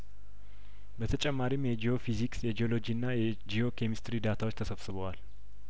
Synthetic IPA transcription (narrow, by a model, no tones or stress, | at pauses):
bət̪ʰət͡ʃʼɛmːaɾimjɛd͡ʒijo̞fiziksjɛd͡ʒio̞lo̞d͡ʒiɨnːajɛ | d͡ʒio̞kʰemist̪ɾid̪at̪ʰawt͡ʃːt̪ʰəsəβsɨβəwal